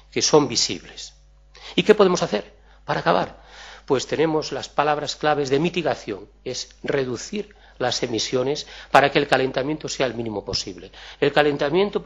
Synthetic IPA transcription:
keso̞mbisḭβle̞s | ike̞po̞ð̞emo̞saθe̞ɾ | paɾaːkaβaɾpwe̞st̪e̞ne̞mo̞zlaspalaβɾasklaβe̞zðe̞mit̪iɣaθjo̞̰ŋ | es | re̞ðuθiɾ | lase̞misjo̞ne̞spaɾakelkale̞nt̪amje̞nt̪oseaelmĩnĩmo̞po̞sḭβle̞ːlkale̞nt̪amje̞nt̪o

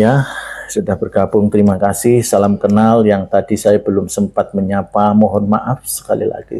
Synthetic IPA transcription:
jasudahbərɡabʊŋt̪əɾimakasɪhsalamkənaljaŋt̪adisajabəlʊmsəmpat̪̚məɲapamɔɦɔnma̰ʔafsə̥kalḭla̰ɡ̥ḭ

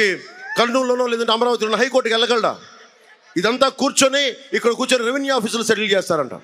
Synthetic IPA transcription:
ikɐɾnuːlːonoːlɛːd̪ɐɳʈeɐmɐɾaːʋɐt̪ilonɐɦɐjkoɾʈːkɛlːɐɡɐɭɐɽa̰ | id̪ɐnt̪aːkuːɾt͡ʃoːneikːɐɽɐkuːɾt͡ʃoːneɾiʋinjaːpiːslusɐɽilt͡ʃɛːst̪aːɾɐɳʈa̰ː

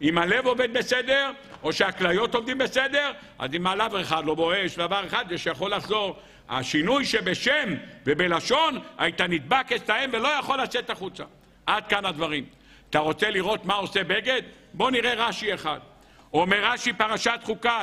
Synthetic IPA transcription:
imale̞vo̞ved̪̚besed̪e̞ʁ | o̞ʃeaklajo̞t̪o̞md̪imbe̞sed̪e̞ʁ | ʔa̰zimalaveχad̪lo̞bo̞eʃed̪avaʁeχad̪jeʃejaχo̞lːaχzo̞ʁ | a̰ʃinujʃebe̞ʃemvebe̞laʃo̞na̰it̪anid̪̚bakeslaemvelo̞jaχo̞lːat͡se̞t̪aχut͡sa̰ | ʔad̪̚kanad̪vaʁim | at̪aʁo̞t͡se̞liʁo̞t̪mao̞sebeɡe̞d̪ | bo̞niʁe̞ʁaʃieχad̪ | omeʁːaʃipaʁaʃat̪χuka

